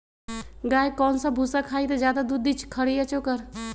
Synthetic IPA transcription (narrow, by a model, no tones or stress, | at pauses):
ɡaːjkɔːnsãbʱuːsakʰaːit̪ɐd͡ʒjaːd̪ad̪ud̪ʱit͡ʃʰkʰəɽiət͡ʃoːkəɾ